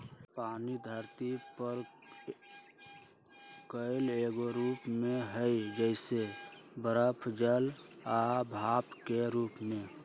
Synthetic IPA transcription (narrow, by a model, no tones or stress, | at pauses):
paːnid̪ʱəɾt̪ipəɾ | kəɪleɡoɾupmeɦəjd͡ʒəɪsebəɾəpʰd͡ʒəlabʱapkeɾuːpme